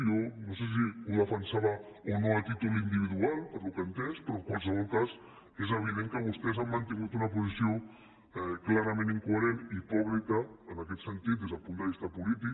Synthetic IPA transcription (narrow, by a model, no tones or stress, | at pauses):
onoses̬iuðəfənsaβa | onoəlt̪it̪ulind̪iβ̞iðualˠpəɾlukənt̪ɛspɾɔkwalˠsəβɔlˠkaz | ezəβ̞iðeŋkəβust̪ɛzamːənt̪iŋɡut̪unəpuzisio | ɛklaɾɐmẽniŋkuəɾenipuβlikəːnakɛt̪sənt̪it̪d̪ezðəlpund̪əβ̞ist̪əpulit̪̬i